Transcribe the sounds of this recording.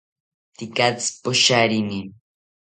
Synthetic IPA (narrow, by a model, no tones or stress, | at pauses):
t̪ikat͡spoʃaɾinin